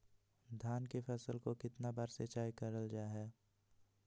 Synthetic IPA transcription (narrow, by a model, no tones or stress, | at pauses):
d̪ʱjaːnkefʰɛsəlkokɪt̪nabaːɾset͡ʃaːikɐɾəld͡ʒaːɦɛː